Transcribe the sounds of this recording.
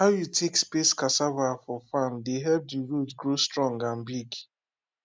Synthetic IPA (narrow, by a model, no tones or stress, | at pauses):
haʊjutʰekspeskasavafɔfãndeɦɛlp̚diɹutɡɹostɹɔ̃ŋɡãnbiɡ